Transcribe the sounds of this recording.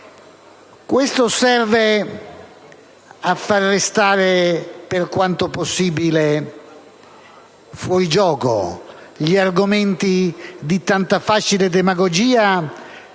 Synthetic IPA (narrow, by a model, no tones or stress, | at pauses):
kwest̪osɛrve | afːarːest̪aːɾeperkwant̪oposːiːbile | fwɔɾid͡ʒɔːko̰ | ʎiarɡoment̪id̪it̪ant̪afat͡ʃiled̪emaɡod͡ʒiːa